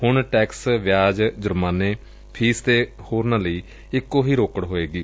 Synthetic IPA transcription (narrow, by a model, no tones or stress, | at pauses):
hʊɳʈɛːksʋɪjaːd͡ʒd͡ʒʊɾmaːneː | pʰiːst̪eːhoːɾnãːləiː | ɪkːoːɦiːɾoːkəɽɦoːeːɡiː